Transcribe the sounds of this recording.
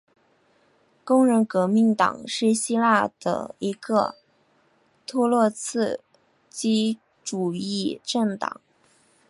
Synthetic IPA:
kʊ˥ŋɻə˧˥nkɤ˧˥mi˧˥nt̪ɑ̰˨˩˦ŋʂɻ̩˥˩ɕi˥la˥˩d̪ə̰˩i˧˥ɡə˧ | t̪ʰu˥˧lwɔ˥˧t͡sʰɹ̩˥˩ | t͡ɕi˥ | ʈ͡ʂu˨˩i˥˩˧ʈ͡ʂə˥˩ŋt̪ɑ̰˨˩˦ŋ

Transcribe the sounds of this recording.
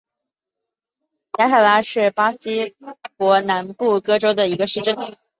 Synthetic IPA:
ja˥t̪ʰa˥˩la˥ʂɻ̩˥˩pa˥si˥kwɔ˧˥na˧˥npu˥˩kɤ˥ʈ͡ʂo˥ʊd̪ə˨i˧˥ɡə˧ʂɻ̩˥˧ʈ͡ʂə˥˩n

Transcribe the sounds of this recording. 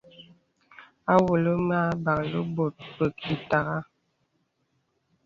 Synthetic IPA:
a˦wo˨lə˦maː˦ba˨ŋlə̰˦bo˨t̚bə˨ki˨ta˨ɣa˦

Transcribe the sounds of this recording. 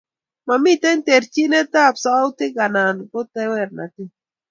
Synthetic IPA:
ma˨mi˦t̪ɛ˦nt̪e˨ɾt͡ʃi˦nɛ˦t̪a˦˨psa˦ʊ˦t̪ɪ˦ɡa˨na˨nkʊ˦t̪ɛ˦wɛ˦˨rna̰˨tɪ˦

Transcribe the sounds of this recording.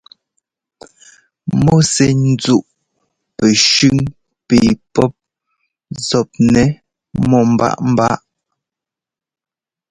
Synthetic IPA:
mɔ˦sɛ˨n̩˦d͡zu˦˨ʔ | pɛ˨ʃʉ˦˨ŋ | pe˨pɔ˦p̚ | zɔ˨p̚nɛ˨˦ | mɔ˦˨m̩˨ba̰˦ʔm̩˦ba˦ʔ

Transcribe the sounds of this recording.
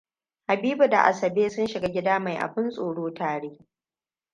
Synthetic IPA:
ha˨biː˦bu˨da̰˨ʔa̰˨sɐ˨beː˦sʊ˦nʃɪ˨ɡa˦ɡʲɪ˦daː˦ma˨jʔa̰˨ɸɪ˦nsʼoː˨ɽoː˦taː˨ɽeː˦

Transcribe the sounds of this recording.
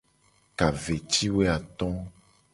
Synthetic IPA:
ka˨ve˨t͡ʃi˦we˦a˨t̪ɔ̃˦

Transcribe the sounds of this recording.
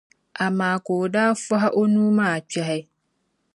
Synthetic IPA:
a˨mãː˨ko˨daː˦fa˦ɦa˦ʔo˦nũ˦mãː˦˨t͡ɕɛ˨ɦɛ˦

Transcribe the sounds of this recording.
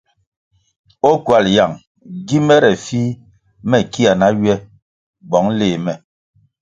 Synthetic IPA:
o˦kwa˨lja˨ŋ | ɡi˦mɛ˦ɾɛ˨fi˦ | mɛ˦ki˦a˨na˦ɥɛ˦ | ɡ͡bɔ˨˦ŋleː˨mɛ˨

